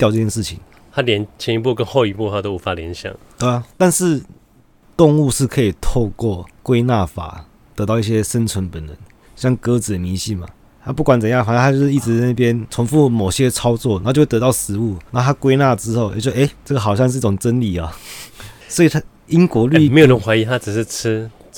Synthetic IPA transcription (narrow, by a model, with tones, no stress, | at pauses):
t̪jʈ͡ʂɤ˥˧t͡ɕʰjɛ˥˧ʂɻ̩˥˩t͡ɕʰḭ˨˩˦ŋ | t̪ʰa˦˥ljɛ˧˦nt͡ɕʰjɛ˧˦i˧˥pu˥˩kə˦nxo˥˧ʊi˧˥pu˥˩tʰa˥t̪o˥ʊu˧˥˩fa˨˩ljɛ˧˦nɕjɑ̰˨˩˦ŋt̪we˥˩ɐ˨˩t̪a˥˧nʂɻ̩˥˧ | t̪ʊ˥˧ŋu˥˧ʂɻ̩˥˩kʰɤ˧˥i˨˩t̪ʰo˥˧ʊkwɔ˥˩kwe˥ɪna˥˩fa̰˨˩˦ | t̪əɤ˧˥t̪ɑ˥˧ʊi˥˩ɕjɛ˦˥ʂə˦nt͡sʰwə˧˦npə˨˩nə˧˦ŋ | ɕjɑ˥˩ŋkɤ˧˦˥t͡sɻ̩˨˩d̪ə˩mi˧˥ɕi˥˩ma̰˩ | a˥pu˥˩kwa˨˦nt͡sə˨˩njɑ˥˩ŋfa˨˦˥a˥t͡ɕjʊʂɻ̩˥˩i˥˩ʈ͡ʂɻ̩˧˥˩na˥˩pjɛ˦nt͡sʰʊ˧˥ŋfu˥˩mo˨˩ʊɕjɛ˥t͡sʰɑ˥ʊt͡swɔ˥˩n˨˥˧t͡ɕo˥˧˥ə˧˥ɑ˥˨˩ʊsɻ̩˧˥u˥˩na˨˩˥o˥˩t̪ʰa˥kwe˥ɪna˥˨ʈ͡ʂɻ̩˥xo˥˩ʊjɛ̰˨˩t͡ɕjo˥˩˨e˥ɪʈ͡ʂə˥˩ɡə˩xɑ˨˩ʊɕjɑ˥˧ŋʂ̬ɻ̩˥˧i˥ʈ͡ʂʊ˨˩ŋʈ͡ʂə˥nli˨˩ɐ˨˩ | swɔ˧˥i˨t̪ʰa˥ | i˦˥ŋkwɔ˧˥ly˥˧me˧˥ɪjo˨˩lə˧˦nxwa˧˥i˧˥t̪ʰa˦˥ʈ͡ʂɻ̩˨˩ʂɻ̩˥˩ʈ͡ʂ̩ʰ˥